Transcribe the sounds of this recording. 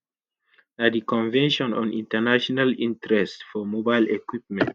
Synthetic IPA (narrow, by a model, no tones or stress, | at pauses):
adikɔ̃nvɛ̃nʃɔ̃nɔ̰̃nĩntɛnaʃɔnalĩntɾɛstfɔmobaɪlekwip̚mɛ̃nt